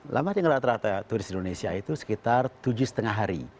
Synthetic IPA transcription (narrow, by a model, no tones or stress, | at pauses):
lʔa̰mat̪iaŋəlat̪ɾat̪at̪uɾɪst̪indonesiait̪usə̥kit̪art̪ud͡ʒʊsə̥t̪əŋaɦaɾḭ